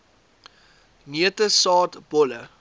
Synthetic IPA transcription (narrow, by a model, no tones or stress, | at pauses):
ŋiətəsɑːtb̥ɔlə